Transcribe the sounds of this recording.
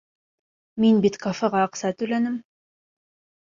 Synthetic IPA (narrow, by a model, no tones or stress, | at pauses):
minbit̪kʰafɤʁɑːqsɑt̪ɵ̆lænɘm